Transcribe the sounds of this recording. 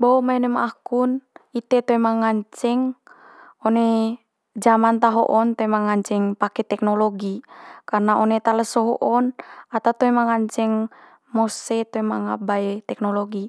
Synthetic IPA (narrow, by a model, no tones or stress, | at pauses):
boomaɛnemaːkunit̪et̪oemaŋaɲt͡ʃɛŋ | one | d͡ʒamant̪aɦo̰ʔɔnt̪oemaŋaɲt͡ʃɛŋpakɛt̪ɛknoloɡikarnaʔonet̪aləsɔɦoʔɔnat̪at̪oemaŋaɲt͡ʃɛŋ | moset̪oemaŋabaet̪ɛk̚noloɡi